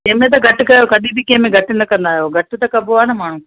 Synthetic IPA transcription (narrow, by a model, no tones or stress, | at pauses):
ɐ̃ɦmẽt̪ɐɡʱɐʈɪkɐjokɐɗibʱɪkɐ̃ɦɪ̃mẽɡʱɐʈɪ̆nɐkɐ̃nd̪aːɦijoɡʱɐʈ̆t̪ɐkɐboaːnɐmaːɳ̤ũː